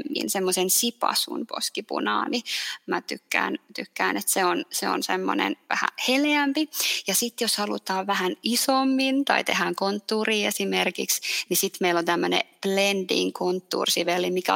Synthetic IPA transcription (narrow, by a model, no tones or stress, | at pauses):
mːḭnsemːosensipɑ̰sṵnpo̰skipṵnɑ̰ːnimæt̪ykːæ̰ːnt̪ykːæːnet̪seonseo̰nsemːo̰nḛnʋæ̰hæ̰heleæmpijɑsit̪joshɑlṵt̪ɑːʋʋæhænisomːint̪ɑ̰it̪ehæŋkont̪ːuːriːesimerkḭksnisit̪meilont̪æmːønḛplendḭŋkont̪ːṵːrsiʋelːimikæ̰